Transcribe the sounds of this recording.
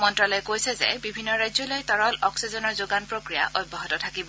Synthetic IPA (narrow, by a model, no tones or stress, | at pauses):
mɔntɹɔlɔjɛkojsɛzɛ̰bibʱinːɔɹajzɔlojtɔɹɔlɔksizɔnɔɹzoɡanpɹokɹija̰ʔʔojbʱɔɦɔtɔtʰakibɔ